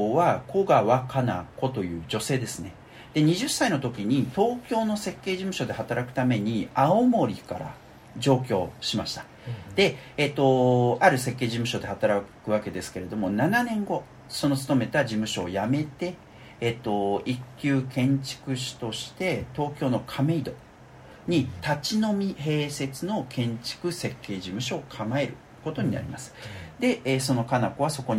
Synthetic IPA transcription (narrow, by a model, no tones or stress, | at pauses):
βako̞ɡaβakana̰ko̞t̪o̞jɯ̟ːd͡ʑo̞se̞ːd̪e̞sɨne̞ | d̪̥e̞ɲ̟iʑɨsːaino̞t̪o̞kʲiɲ̟it̪o̞ːkʲo̞ːno̞se̞kːe̞ːʑimɯ̟ɕo̞d̪e̞hat̪aɾakɯ̥t̪ame̞ɲ̟iaomo̞ɾʲika̰ɾa̰ | ʑo̞ːk̬ʲo̞̰ːɕimaɕi̥t̪ḁ | d̪̥e̞et̪ːo̞aɾɯ̟se̞kːe̞ːʑimɯ̟ɕo̞d̪e̞hat̪aɾakɯ̟βake̞d̪e̞sɨ̥ke̞ɾe̞d̪o̞mo̞nananẽ̞ŋɡo̞ | so̞not͡sɨ̥t̪o̞me̞t̪ad͡ʑimɯ̟ɕo̞ːjame̞t̪e̞ː | t̪ːo̞ikʲːjɨːkẽ̞ɲt͡ɕi̥kɯ̟ɕi̥t̪o̞ɕi̥t̪e̞t̪o̞ːkʲo̞ːno̞kʰame̞id̪o̞ | ɲ̟it̪at͡ɕinomʲihe̞ːse̞t͡sɨno̞kʰẽ̞ɲ̟t͡ɕi̥kɯ̟se̞kːe̞ːʑimɯ̟ɕo̞ːkʰamae̞ɾɯ̟ | ko̞t̪o̞ɲ̟ina̰ɾʲḭmasɨ̥d̪e̞eːso̞no̞kanakoβ̞aso̞ko̞ɲ